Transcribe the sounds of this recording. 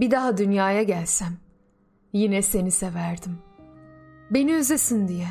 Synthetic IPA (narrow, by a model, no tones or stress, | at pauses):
bid̪aɦad̪ynjaːjaɟælʲsæm | jinɛse̞nisevæɾd̪im | be̞niøzesind̪ijɛ